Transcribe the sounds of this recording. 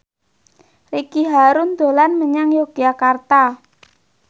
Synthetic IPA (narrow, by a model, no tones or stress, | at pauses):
rikiɦaɾʊnd̪̥o̤lanməɲaŋjoɡ̥iakart̪a